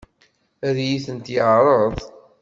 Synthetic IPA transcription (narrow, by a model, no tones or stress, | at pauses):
æðjiθənt̪jəʕɾˤəðˤ